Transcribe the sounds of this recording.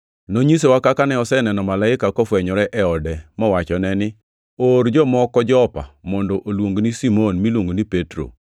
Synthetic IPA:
noɲis̬ewakakanɛɔsɛnɛnɔmalaɪkakɔfwɛɲɔɾɛʔɛɔdɛmɔwat͡ʃɔnɛnɪ | oɾd͡ʒɔmɔkɔd͡ʒɔpa̰mɔndɔʔolwoŋɡnisimonmilwoŋɡonipetɾo̰

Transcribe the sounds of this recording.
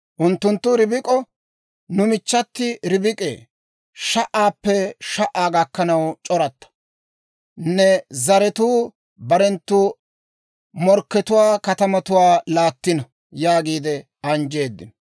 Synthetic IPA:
ʔʊnt̪ːʊnt̪ːʊɾɪbɪkʼɔ | nʊmɪt͡ʃːɐt̪ːɪɾɪbɪkʼḛː | ʃɐʔaːpːɛʃɐʔaːɡɐkːɐnɐwt͡ʃʼɔɾɐt̪ːɐ̥ | nɛzɐɾɛt̪uː | bɐɾɛnt̪ːu | mɔɾkːɛt̪ʊwaːkɐt̪ɐmɐt̪ʊwaːlaːt̪ːɪnɐ | jaːɡiːd̪ɛ | ɐnd͡ʒe̞ːd̪ːɪ̰n

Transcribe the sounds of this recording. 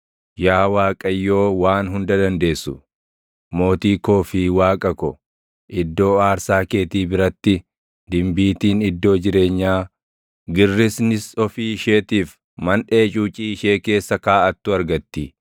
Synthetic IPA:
jaːwaːkʼɐjːo̞ːwaːnɦʊnd̪ɐd̪ɐnd̪e̞ːsːʊ | mo̞ːt̪iːko̞ːfiːwaːkʼɐkɔ | ʔɪd̪ːo̞ːaːɾsaːke̞ːt̪iːbɪɾɐt̪ːɪ | d̪ɪmbiːt̪iːnɪd̪ːo̞ːd͡ʒɪɾe̞ːɲːaː | ɡɪrːɪsnɪsɔfiːɪʃe̞ːt̪iːf | mɐnᶑe̞ːt͡ʃʼuːt͡ʃʼiːɪʃe̞ːke̞ːsːɐkaːɐt̪ːʊɐɾɡɐt̪ːɪ

